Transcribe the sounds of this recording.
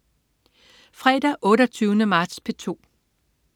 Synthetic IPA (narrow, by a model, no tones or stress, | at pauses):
fʁɛd̥ɐʔɔ̽ːɾɐt͡sʰyːʊnəmɑ̈ːd̥spʰe̝t͡sʰo̝̰ː